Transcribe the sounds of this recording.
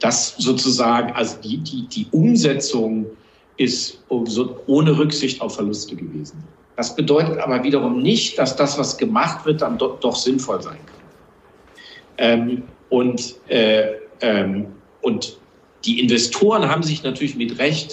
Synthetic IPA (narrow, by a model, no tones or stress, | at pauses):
d̥aszoːt͡suzaːɡŋ̩ʔalzodiːdiːd̥iːʔʊmzɛt͡sʊŋ | ʔɪstzoːʔoːnəʁʏkz̥ɪçta̰ʊfːɛɐlʊstəɡəvḛːzn̩ | d̥asb̥ədɔʏtətʔa̰ːbɐviːɾɐʁ̞ʊmnɪçt̚d̥asd̥asv̥asɡ̥əmaχtv̥ɪɐt̚d̥andɔd̥ɔχz̥ɪnfɔlzaɪnkʰḁn | ʔɛːmʔʊntʔɛːʔɛːm | ʔʊnt | d̥iːʔɪnvɛstʰoːʁənɦaːbm̩zɪçnatʰyːɐlɪçmɪtʁɛçt